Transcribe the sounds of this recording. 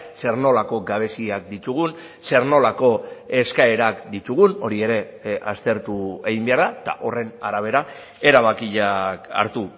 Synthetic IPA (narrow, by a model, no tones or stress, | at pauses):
se̞rno̞lako̞ɡaβ̞e̞siak̚d̪it̪uɣ̞un | se̞ɾno̞lako̞e̞skae̞ɾakd̪it̪uɣ̞uno̞ɾie̞ɾe̞a̰st̪e̞ɾt̪ueɣimbe̞aɾðat̪a̰ʔo̞re̞naɾaβ̞e̞ɾa | e̞ɾaβ̞akiʎaka̰ɾt̪u